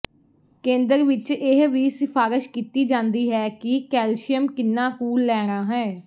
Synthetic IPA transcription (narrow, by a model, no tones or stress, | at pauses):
kẽːnd̪əɾʋɪt͡ʃɪɦʋiːsɪpʰaːɾɪʃkiːt̪iːd͡ʒãːnd̪iːɦɛːkɪkɛːlʃɪjəmkɪnːãːkuːlːɛːɾ̃ãːɦɛ̃ː